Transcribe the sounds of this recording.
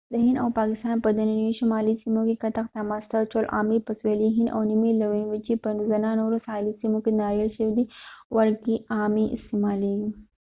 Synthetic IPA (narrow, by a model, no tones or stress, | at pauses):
d̪əɦɪnd̪awpɑkɪst̪ɑnpəd̪ananiʃamɑlisimokekat̪axt̪amɑst̪at͡ʃolʔɑ̰mipasweliɦɪnd̪a̰wnimilawinwit͡ʃipənzananoɾosɑlisimokenɑɾəlʃəwid̪iwaɾkiɑmiʔɪ̰st̪emɑleɡi